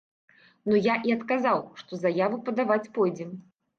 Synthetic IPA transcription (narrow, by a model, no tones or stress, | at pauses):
nujaʔiɐt̪kazawʂt̪ɔzajavupɐd̪avat͡sʲpɔjd͡zʲɛm